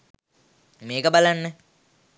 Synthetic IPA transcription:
meːkəbalanːə

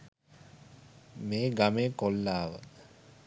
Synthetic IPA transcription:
meːɡameːkolːaːʋə̰

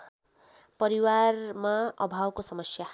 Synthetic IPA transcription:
pʌɾiwarmaʌ̰bʱawkosʌmʌsja

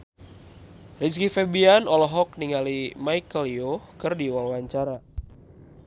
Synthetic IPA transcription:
riskifɛbianɔlɔɦɔk̚niŋalimajkəlijohkɨrdiwalwaɲt͡ʃaɾa

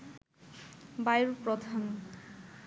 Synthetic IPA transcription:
bajɾpɾɔd̪ʱam

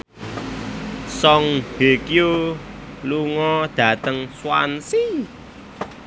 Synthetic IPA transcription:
sɔŋb̥ekju | luŋɔd̪̥ä̤t̪əŋswa̰nsi

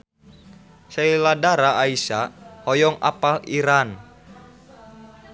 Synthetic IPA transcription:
seiladaɾaʔaisahɔjɔŋa̰paliɾan

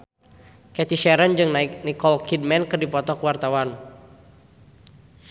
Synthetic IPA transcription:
kɛt̪iʃɛɾənd͡ʒɨŋnaik̚nikɔlkid̚mɛnkɨrdipɔt̪ɔkəwart̪awan

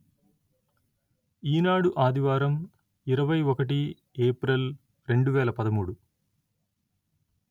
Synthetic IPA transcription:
iːnaːɽuʔaːd̪iʋaːɾɐm | iɾɐʋɐjɔkɐʈi | eːpɾel | ɾe̞ɳɖuʋɛːlɐpɐd̪ɐmuːɽu

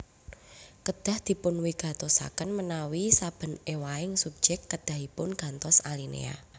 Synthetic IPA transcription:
kəd̪̥a̤hd̪̥i̤pʊnwiɡ̥a̤t̪osa̰kənmənawisab̥ə̤newaɪŋsup̚d͡ʒ̥ɛkːəd̪̥a̤ɦipʊnɡ̥a̤nt̪ɔsalinḛa̰

